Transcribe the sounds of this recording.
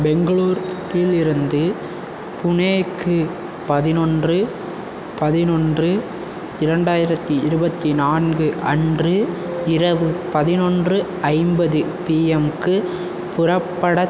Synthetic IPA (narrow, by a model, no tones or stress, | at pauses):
bɛŋɡɐɭuːɾt̪ilɪɾɯnd̪ɯ | pʊneːkːɯ | pɐðɪnɔndrɯ | pɐðɪnɔndrɯ | ɪɾɐɳɖaːjɪɾɐt̪ːɯɪɾɯbɐt̪ːinaːnɡɯʔɐndrɯɪɾɐʋɯpɐðɪnɔndrɯ | ɐɪmbɐðɯ | piːɛmkɯ | pʊrɐpːɐɽɐ